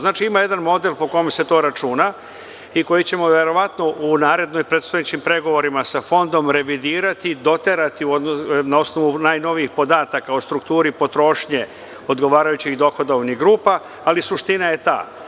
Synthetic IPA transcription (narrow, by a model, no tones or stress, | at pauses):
znaːt͡ʃiimaje̞d̪anmo̞d̪e̞lpo̞ko̞jomse̞t̪o̞ːɾat͡ʃuna | iko̞jit͡ɕe̞mo̞ʋe̞ɾo̞ʋat̪no̞ʔunaːɾe̞d̪no̞jpɾet̪st̪ajet͡ɕimpɾe̞ɡo̞ʋo̞ɾimasafo̞nd̪o̞mɾe̞ʋid̪iːɾat̪id̪o̞t̪e̞ɾat̪iuod̪onao̞sno̞ʋunaːjno̞ʋiixpo̞d̪aːt̪akaost̪ɾukt̪uːɾipo̞t̪ɾo̞ʃɲe̞ | od̪ɡo̞ʋaːɾajut͡ɕiɣd̪o̞xo̞d̪auniɡɾuːpaː | lisuʃt̪inaje̞t̪a̰ː